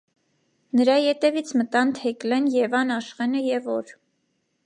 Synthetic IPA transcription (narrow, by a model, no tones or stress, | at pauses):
nəɾɑjɛt̪ɛvit͡sʰmət̪ɑnt̪ʰɛklɛnjɛvɑnɑʃχɛnəjɛvɔɾ